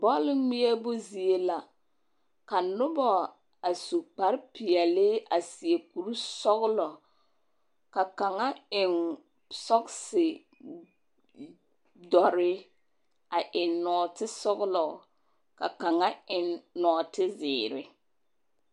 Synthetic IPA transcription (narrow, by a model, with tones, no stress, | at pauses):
bɔ˦lɪ˦mi˦ɛ˦bʊ˦zi˨e˦la˨ | ka˨nʊ˦bɔ˨ | a˨su˨k͡pa˨ɾpi˨ɛ˨lɪ˦a˨si˨e˨ku˨ɾu˦sɔ˦ɣlɔ˨ | ka˨ka˨ŋa˦ɪ˨n | sɔ˦ksɪ˨ | dɔ˨ɾɪ˦ | a˨ʔɪ˨nɔː˨tɪ˦sɔ˦ɣlɔ˨ | ka̰˨ka˨ŋa˦ɪ˨nːɔː˨tɪ˦zɪː˨ɾɪ̰˦